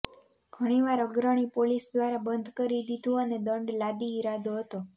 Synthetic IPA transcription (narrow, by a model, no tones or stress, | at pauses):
ɡ̥ʱəɽ̃iʋaɾəɡɾəɽ̃ipolisd̪ʋaɾabənd̪ʱkəɾid̪ʱid̪ũəned̪əɳɖlad̪iːɾad̪oɦət̪o